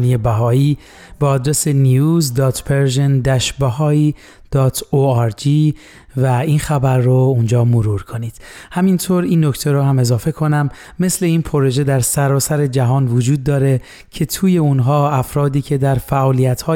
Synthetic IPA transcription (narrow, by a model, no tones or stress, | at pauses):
nijebæɦɒːiː | beɒːd̪ɾese̞niuːzd̪ɒːt̪ʰpʰeɾʒend̪æʃbæhɒːi | d̪̥ɒːt̪ʰoæɾd͡ʒiː | væiːnxæbæɾːound͡ʒɒːmoɾuːɾkʰo̞niːd̪̥hæmint̪ʰoɾiːnːo̞ct̪ʰeɾɔːɦæme̞zɒːfe̞kʰo̞næmː | e̞sle̞iːnpʰoɾo̞ʒe̞d̪æɾsæɾɒːsæɾe̞d͡ʒæɦɒːnvod͡ʒuːd̪ːɒːɾe̞ | cʰe̞t̪ʰuːje̞unɦɒːæfɾɒːd̪iːcʰe̞d̪æɾfæʔɒːlijæt̪hɒː